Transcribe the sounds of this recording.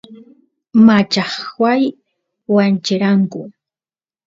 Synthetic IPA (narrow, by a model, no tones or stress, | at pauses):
mat͡ʃɑχwaj | want͡ʃɪɾaŋkʊ